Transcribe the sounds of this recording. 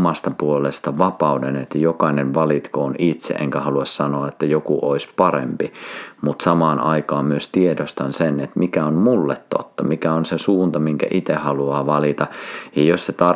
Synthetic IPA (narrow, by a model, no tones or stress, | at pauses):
mɑst̪ɑpuolest̪ɑʋɑpɑudenet̪ːæjokɑinenʋɑlit̪koonit̪sḛʔḛŋkæhɑluɑssɑnoɑet̪ːæjokuʔoispɑɾḛmpimut̪sɑmɑːnʔɑikɑːmmyøst̪iedost̪ɑnsenet̪mikæonmulːet̪to̰t̪ːɑmikæonsesuːnt̪ɑmiŋkæ̰ʔit̪ehɑluɑːʋɑlit̪ɑjɑjosset̪ɑ